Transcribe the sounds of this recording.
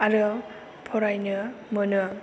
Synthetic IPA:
aɾɯ | pʰɔɾajnɯmɯnɯ

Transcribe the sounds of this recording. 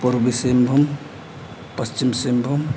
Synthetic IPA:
puɾbisembʱum | pɐst͡ʃimsembʱum

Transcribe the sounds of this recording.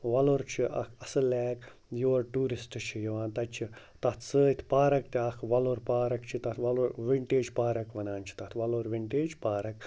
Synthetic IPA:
ʋɐloɾt͡ʃʰiʔɐ̰kʰɐsɨlɛːk | joːɐɾʈuːɾisʈɨt͡ʃʰijɐʋaːnt̪ɐt͡ʃʰi | t̪ɐt̪ʰsɨːit̪ʰpaːɾɐkt̪iɐkʰʋɐloɾpaːɾɐkt͡ʃʰit̪ɐt̪ʰʋɐloɾʋiɳʈeːd͡ʒpaːɾɐkʋɐnaːnt͡ʃʰi̥t̪ɐt̪ʰʋɐloɾʋiɳʈeːd͡ʒpaːɾɐk

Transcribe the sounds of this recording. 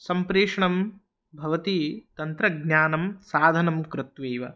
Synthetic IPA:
sɐmpɾeːʂɐɳɐm | bʱɐʋɐt̪it̪ɐnt̪ɾɐɡnjaːnɐmsaːd̪ʱɐnɐmkɾɪt̪ʋeːʋɐ̰

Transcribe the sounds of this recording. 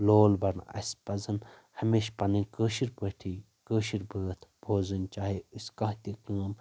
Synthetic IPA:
loːlbɐɾnɐ̰spɐzɐnhɐmeːʃpɐnɨkəːʃiɾbəʈʰi | kəːʃiɾbʱəːt̪ʰbʱoːzɨnt͡ʃaːɦiɨskɐ̃ɦt̪ikəːm

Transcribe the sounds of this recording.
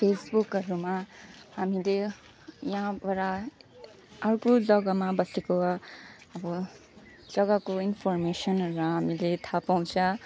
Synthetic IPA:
pʰesbukɦʌɾumahamile | jaɦãbaɾa | ʌrkolʌɡamabʌseko | ʌbʌ | lʌɡakoinpʰɔrmesʌnʌɾuaɦamilet̪ʰapaw̃t͡sʰʌ

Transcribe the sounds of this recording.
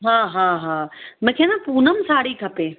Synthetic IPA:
ɦãːɦãːɦãːməkʰẽnapuːnəmsaːɽiːkʰɐpeː

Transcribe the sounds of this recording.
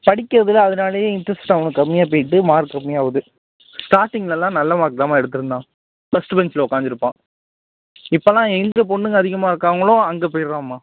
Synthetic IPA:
pɐɽɪkʲːɯɾɐðɪlɐɐðɯnaːlɐjẽːɪɳʈɾɐsʈʈɐʋɐŋɯkːɐmːɪjaːp̬oːjɪʈ̬ːɯmaːɾɯkɐmːɪjaːʋɐðɯ | sʈaːɾʈːɪŋɡɐlɛlːãːnɐlːɐmaːɾkːɾaːmaːɛɽɯt̪ːɯɾɯnd̪ãː | bɐsʈɯbɛnt͡ʃɪlɐʊkːaːnd͡ʒ̪ɪɾɯpːãː | ɪpːɐlːãːɛŋɡɐp̬ɔɳːɯŋɡɐðɪɣɐmaːɪɾɯkːaːʋɐŋɡɐɭõːɐŋɡeːpoːjɪɾãːmːaː

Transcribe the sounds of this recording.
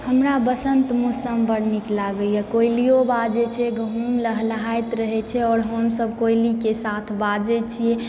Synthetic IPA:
həmɾabəsənt̪musəmbəɾniklaɡəiɛkojlijobad͡ʒet͡ʃʰɛɡəɦumləɦləɦajt̪ɾəɦɛt͡ʃʰɛɔːɾɦəmsəbkojlikesat̪ʰbad͡ʒet͡ʃʰie

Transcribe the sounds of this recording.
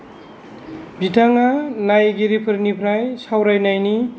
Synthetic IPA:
bitʰaŋanajɡiɾipʰɯɾnipʰɾajsawɾajnajni

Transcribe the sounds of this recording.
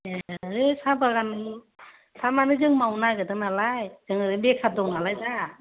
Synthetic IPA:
eɯsabaɡan | samanɯzɯŋmawnajɡɯdɯŋnalajzɯŋɯɾɯbekʰap̚dɔknalajza

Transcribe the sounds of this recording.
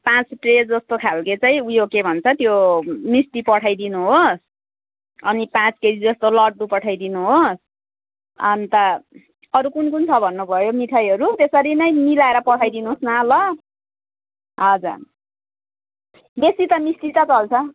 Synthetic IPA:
pãt͡sʈred͡zd͡zʌst̪okʰalket͡saj̃ujokebʱʌnt͡sʰʌt̪jomisʈipʌʈʰajd̪inuɦos | ʌnipãt͡skesid͡zʌst̪olʌʈ̚dupʌʈʰajd̪inuɦos | ʌnt̪ʌ | ʌɾukunkunt͡sʰʌbʱʌnːubʱʌjomiʈʰajʌɾut̪esʌɾinʌj̃milaeɾʌpʌʈʰajd̪inuɦosnalʌ | ɦʌd͡za̰ | besit̪ʌmisʈitʌt͡sʌlt͡sʰʌ

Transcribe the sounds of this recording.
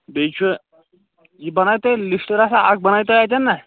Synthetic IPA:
bet͡ɕʰe | d͡ʑibəñajt̪ɔjlisʈəɾasaaɡ̚bənajt̪oajt̪anːaj

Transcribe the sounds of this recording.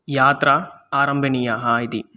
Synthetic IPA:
jaːt̪ɾɐaːɾɐmbʱɐnijɐɦait̪i

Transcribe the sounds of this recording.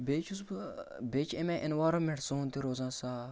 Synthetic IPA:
beːt͡ʃʰus̬bɨbeːt͡ʃʰemɛ̃ʔɪnʋaːɾɐmeɽsoːnt̪iɾoːzãːsaː

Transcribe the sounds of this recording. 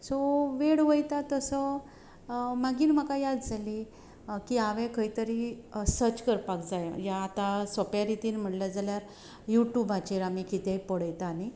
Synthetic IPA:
soʋeɽʋəjt̪at̪əsə | maɡiːnm̤əkajad̪d͡zʱali | kiaʋɛ̃kəɦit̪əɾisəɾt͡ɕkəɾpakd͡zajjaːt̪asopjaɾit̪iːnm̤əʈlad͡zaljaɾ | juʈjubat͡ɕiɾamikit̪epəɽəjt̪aːni

